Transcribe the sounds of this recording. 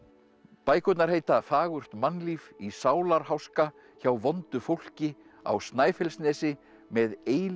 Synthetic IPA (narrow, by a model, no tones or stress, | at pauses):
paːjkʏt̪naɾ̥heːjt̪afaːɣʏr̥t̪manːliːvisaːwlaɾ̥hawska | çawvɔnt̪ʏfowl̥cɪ | a̰wst̪naːjfɛlsnɛːsɪ | mɛðeːj